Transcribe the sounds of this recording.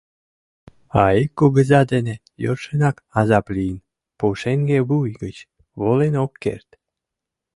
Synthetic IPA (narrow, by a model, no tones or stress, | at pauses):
aekːoɡəzɑd̪ene | jorʃənakazɑplʲin | poʃeŋɡebujɡət͡ɕ | βolenokːḛɾt̪